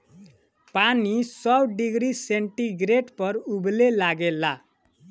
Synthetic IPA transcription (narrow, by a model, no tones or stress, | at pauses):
panisʌbɖiɡɾiseɳʈiɡɾeʈpʌɾublelaɡela